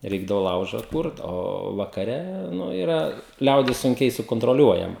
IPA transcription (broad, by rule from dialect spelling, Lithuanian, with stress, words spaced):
ˈrʲɛɪɡdɐʋoː ˈlˠɐʊʒɐ ˈkʊrt ˈoː ʋɐkɐˈrʲɛ ˈnʊ ɪˈrɐ ˈlʲɛʊdʲɪs sʊŋʲˈkʲɛɪ sʊkoːntroːˈlʲuɔjɛmɐ